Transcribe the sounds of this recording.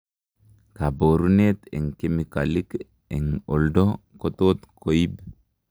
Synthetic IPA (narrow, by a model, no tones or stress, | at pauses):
kaboɾunet̪ɛ̰ŋkemikalik | ɛŋɔldokot̪ot̪koib